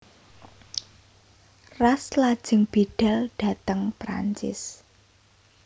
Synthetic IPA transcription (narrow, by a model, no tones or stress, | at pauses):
raslad̥ʒ̥ə̤ŋb̥eɖ̥a̤lɖ̥ä̤t̪əŋpɾa̰ɲt͡ʃɪ̰s